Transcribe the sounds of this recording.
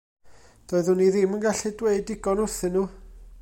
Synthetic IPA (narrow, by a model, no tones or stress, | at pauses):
d̥oɨðʊniðɪmənɡaɬidweɨdɪɡɔnʊθɪnːuː